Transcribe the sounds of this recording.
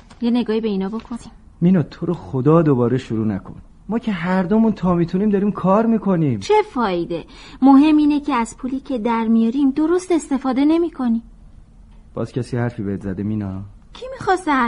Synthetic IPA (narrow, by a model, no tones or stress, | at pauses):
jene̞ɡɒːhibe̞inɒːbo̞kʰoni | minɒːt̪ʰoɾoxod̪ɒːd̪obɒːɾeʃuɾuːnækʰo̰n | mɒːcʰeɦæɾd̪omunt̪ʰɒːmiːt̪ʰuniːmd̪ɒːɾiːmkʰɒːɾmiːkʰo̞nimt͡ʃʰe̞fɒːjd̪e̞mo̞ɦe̞mːiːne̞cʰe̞æz̥pʰuːliːcʰe̞d̪æɾmijɒɾimd̪o̞ɾo̞st̪e̞st̪e̞fɒːd̪e̞ne̞miːkʰo̞nim | b̥ɒ̰ːz̥cʰæsijehæɾfiːbeet̪zæd̪eminɒː | cʰimixɒsæ